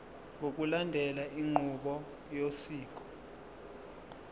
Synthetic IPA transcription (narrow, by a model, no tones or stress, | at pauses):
ŋokʼulandʱɛlaʔiŋ͡ǃʱuɓɔ | josiːk̬ʼɔ̥